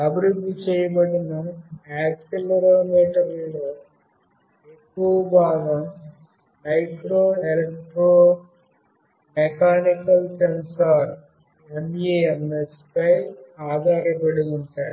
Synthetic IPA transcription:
ɐbɾud̪ːut͡ʃeːjɐbɐɽinɐaːksilɐɾoːmeːʈɐɾiːɽɐ | ekːuʋɐbaːɡɐm | nɐjʈɾoːelek̚ʈɾoː | mekʰaːnikɐlsensɐɾ | emeemespɐjaːd̪ʱaːɾɐpɐɽijuɳʈaːɽu

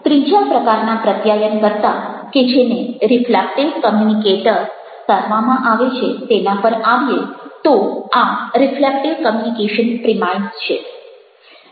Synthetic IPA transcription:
t̪ɾid͡ʒapɾəkaɾnapɾət̪jajənkəɾt̪aked͡ʒeneɾiflɛk̚ʈekəmjunikeʈəɾ | saɾʋamãʔaʋet͡ʃʰet̪enapəɾaʋjet̪ɔaɾiflɛk̚ʈekəmjunikeʃənpɾimajnst͡ʃʰe

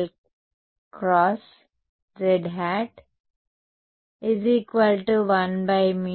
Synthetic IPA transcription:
l | kɾɔːs | ɾeɖɦæʈ | ɪziːkʋəlʈuʋʌ̃nbaɪmĩ

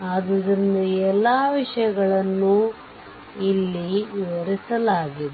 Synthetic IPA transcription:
aːd̪ɐd̪ɾind̪ɐɛlːaːʋiʂɐjɐɡɐɭɐnːu | ilːiʋiʋɐɾisɐlaːɡid̪e

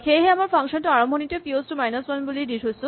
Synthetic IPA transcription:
xejɦɛamaɹpʰɔŋʃɔntuaɹɔmbʱɔnitepiostumajnaswanbulidiɹɦojsʊ̃

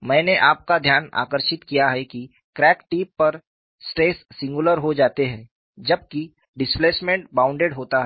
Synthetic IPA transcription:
mɛ̃ːneʔaːp̚kad̪ʱjaːna̰ːkəɾʃɪt̪kijaɦɛki | kɾɛːkʈiːpːɐɾ | sʈɾeːsːɪ̃ŋɡʊləɾɦod͡ʒaːt̪eɦɛ̃ː | d͡ʒɐb̚ki | ɖɪspleːsmẽɳʈbãːʊ̃ɳɖeːɖɦoːt̪aɦɛ

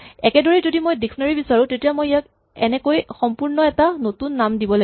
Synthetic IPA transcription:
ɛkɛdɔɹizodimojdiksɔnaɹibisaɹũtetijamojjak̚ | ɛ̰nɛkojxɔmpuɹnɔɛtanotunːamdibɔla

